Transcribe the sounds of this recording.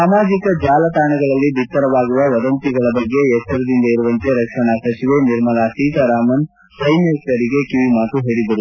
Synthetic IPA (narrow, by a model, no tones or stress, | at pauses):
saːmaːd͡ʒikɐd͡ʒaːlɐt̪aːɳɐɡɐɭɐlːibʱit̪ːɐɾɐʋaːɡiʋɐʋɐd̪ɐnt̪iɡɐɭɐbɐɡːe̞ːsɐɾɐd̪ind̪ɐiɾuʋɐnt̪eɾɐkʂɐɳɐsɐt͡ʃiʋe̞niɾmɐlaːsiːt̪ɐɾaːmɐn | sɐjmeːsɐɾiɡe̞kiʋimaːt̪uɦeːɽid̪ɐɾu